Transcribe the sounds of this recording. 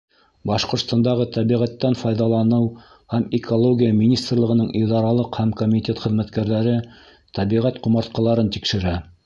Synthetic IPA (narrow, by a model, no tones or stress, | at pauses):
bɑʃqŏɾt̪st̪ɑnd̪ɑʁɤt̪æβiʁæt̪ːænfɑjðɑlˠɑnɤw | hæmɪkʰolˠoɡʲijəmʲinʲist̪rlˠɤ̆ʁɤ̆nɤɴʔiðɑɾɑlˠɤqhæmkomʲit̪ʲet̪χɘ̆ðmæt̪kæɾðæɾɘ | t̪æβiʁæt̪qŏmɑɾt̪qɑ̆lˠɑɾɤnt̪ikʃɘ̆ɾæ